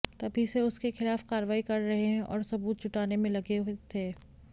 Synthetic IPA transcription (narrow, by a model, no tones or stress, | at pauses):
t̪ɐbʱiseʊskexɪlaːfkaːɾəʋaːikɐɾːɐɦeɦɛ̃ʔɔ̰ːɾsɐbuːt̪̚t͡ʃʊʈaːnemẽlɐɡeɦet̪ʰeː